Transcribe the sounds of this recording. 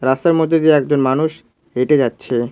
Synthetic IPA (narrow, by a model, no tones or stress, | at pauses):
ɾast̪aɾmod̪ʱːed̪ieɛk̚d͡ʑonmanuʃ | eʈed͡ʑatːɕʰe